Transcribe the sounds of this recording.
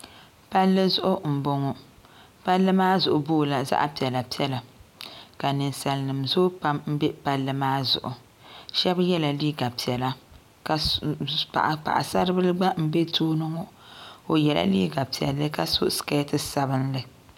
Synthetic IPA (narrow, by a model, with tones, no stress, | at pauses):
pa˦lːɨ˦zʊ˦ʔʊ˦m̩˨bo˦ŋo˨ | pa˦lːɨ˦maː˦zʊ˨ʔʊ˨boː˦˨la˨za̰˦ʔa˦pi˨ɛ˨la˨pi˦ɛ˦la˨ | ka˨nɨ˨nsa˨lnɨ˨mzoː˦pa˦mm̩˦bɛ˦pa˦lːɨ˦maː˦zʊ̰˨ʔʊ˨ | ʃɛ˦bjɛ˦la˨liː˦ɡa˨pi˨ɛ˨la˦ | ka˨pa̰˨ʔa˨k͡pa̰˨ʔa˨sa˦ɾɨ˦bɨ˦lɨ˦ɡ͡ba˦m̩˦be˦toː˦nɨ˦ŋo˦ | o˨jɛ˨la̰˦lḭː˦ɡa˨pi˨ɛ̰˨lːɨ˦ka˦so˦ska˦tɨ˦sa˦bɨ˦nlɨ˨